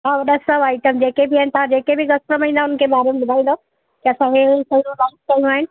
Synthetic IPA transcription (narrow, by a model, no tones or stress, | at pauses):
aʋɐɗɐsəʋaːɪʈəmd͡ʑeːkebʱɪaːɪnɪt̪ɐʋ̤ãd͡ʑeːkebʱɪɡɐspɾəmãĩːnd̪aːʊnəkʰeːbaːɾemebʊd̪ʱaːĩːnd̪a | kɪɐsãɦesɐjõlaːs̚kɐijũaːɦɪnɪ̆